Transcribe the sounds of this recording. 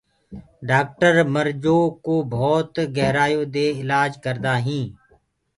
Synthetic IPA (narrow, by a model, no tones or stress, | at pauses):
ɖaːk̚ʈəɾməɾd͡ʒoːkoːbʱɔːt̪ɡɛɦɾaːjoːd̪eːɪlaːd͡ʒkəɾd̪aːɦĩː